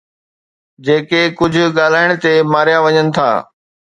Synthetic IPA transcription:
d͡ʑeːkekʊd͡ʑʱʊ̆ɠaːl̤aːɪɽ̃t̪emaːɾijaʋɐɲənɪ̆t̪ʰa̰ː

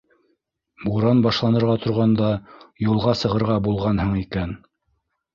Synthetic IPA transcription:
buɾɑnbɑʃlˠɑnɤ̆ɾʁɑt̪ŏɾʁɑnd̪ɑjulˠʁɑsɤ̆ʁɤ̆ɾʁɑbulˠʁɑnhɤɴikæn

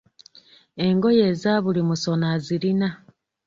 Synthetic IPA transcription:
e̞ŋɡo̞je̞ːzaβulimuso̞naziɾina

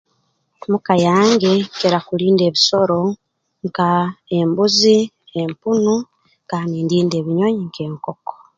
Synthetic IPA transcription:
mukajaːŋɡekeɾakuliːnde̞ːβiso̞ɾo̞ | ŋkae̞mbuzi | empunu | kaːndiːndiːnde̞ːβiɲoɲiŋke̞ːŋkoko̥

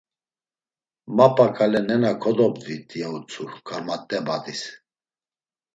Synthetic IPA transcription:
mapʼakʰʼalɛnɛnakʰɔd̪ɔbd̪it̪ʼijaut͡sʰukʰaɾmat̪ʼːɛbad̪is

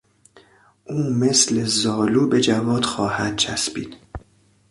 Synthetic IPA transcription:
ʔuːmesle̞zɒːluːbe̞d͡ʒævɒːd̪̥xɒːhæd̪̥̚t͡ʃʰæ̰sbḭːd̪̥

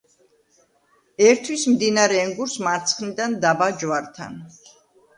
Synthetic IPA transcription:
ɛɾt̪ʰwismd̪inaɾɛːŋɡuɾsmaɾt̪sʰχnid̪and̪abad͡ʒvaɾt̪ʰa̰n

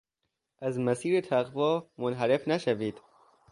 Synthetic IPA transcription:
ʔæzmæsiːɾet̪ʰæɣvɒːmonɦæɾe̞fnæʃæviːd̪̥

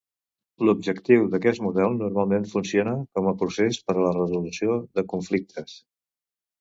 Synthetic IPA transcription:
lub̚d͡ʒəkt̪iwðəkɛst̪muðɛlˠnurmalˠmenfunsionəkɔməpɾusespəɾələrəzulusioðəkuɱflik̚t̪ʰəs

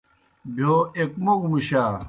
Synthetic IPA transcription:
bʱoekmoɡmuɕaː

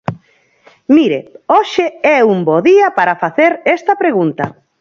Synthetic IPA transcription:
miɾḛoʃɪɛumbɔðiɐpaɾɐfaθeɾɛst̪ɐpɾeɣunt̪ɐ

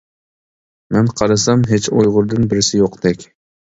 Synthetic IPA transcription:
mɛnqʰɑɾɑsɑmɦet͡ʃojʁʊɾd̪ɨnbɪɾɪsɪjoqd̪̥ɛkʲ

